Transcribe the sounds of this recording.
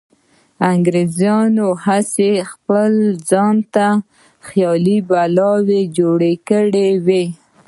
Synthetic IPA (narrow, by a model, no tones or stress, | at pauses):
aŋɡɾezjɑnohasexpəld͡zɑnt̪a | xjɑlibalɑwed͡ʒoɽekəɽewe